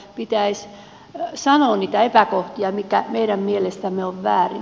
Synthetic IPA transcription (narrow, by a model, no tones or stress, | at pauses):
pit̪æis | sɑnoːnniːt̪æepækoht̪iɑmikæmeiɾæmmielest̪æmːeoʋʋæ̰ːrḭ